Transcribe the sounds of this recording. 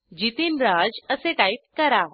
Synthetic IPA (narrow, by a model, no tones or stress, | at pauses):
d͡ʑit̪inɾad͡zəseʈ̪ait̪̚kəɾa